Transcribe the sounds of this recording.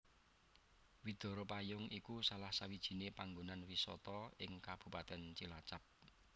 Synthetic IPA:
wid̪̥ɔ̤ɾɔpajʊŋʔikusalahsawid̥ʒ̥i̤nepaŋɡonanwisɔ̰t̪ɔɪŋkab̥ṳpat̪ɛnt͡ʃilat͡ʃap̚

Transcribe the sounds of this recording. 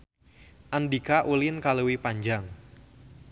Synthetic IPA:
ʔandikaʔulɪnkaluwipaɲd͡ʒaŋ

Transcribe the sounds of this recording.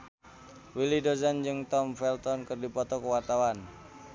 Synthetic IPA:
wilidozand͡ʒɨŋt̪ɔmfɛlt̪ɔnkərdipɔt̪ɔkəwat̪awan

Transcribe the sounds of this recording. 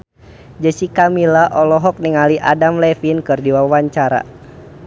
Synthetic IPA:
d͡ʒəsikamilaʔɔlɔɦɔk̚niŋaliʔadamlɛfinkɨrdiwawaɲt͡ʃaɾa̰

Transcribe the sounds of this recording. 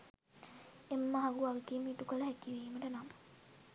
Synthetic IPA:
emːɐɦɐɡuɐɡɐkiːmiʈukəlɐɦækiʋiːməʈənamə̥

